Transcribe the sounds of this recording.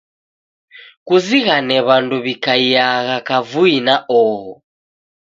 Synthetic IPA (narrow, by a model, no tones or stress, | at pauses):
kuziɣanɛβanduβikaiaɣakavuinaʔɔːɣɔ